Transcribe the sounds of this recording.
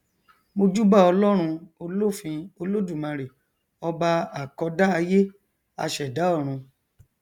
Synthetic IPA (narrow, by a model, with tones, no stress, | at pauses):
mo˧d͡ʒu˦ba˦˨ɔ˧lɔ˦ɾ̃ũ˧o˧lo˦˨fĩ˧o˧lo˦du˦˨mã˧ɾe˨ | ɔ˧ba˧a˨kɔ˧da˦a˧je˦ | a̰˧ʃɛ˨da˨˦ɔ˦˨ɾ̃ũ˧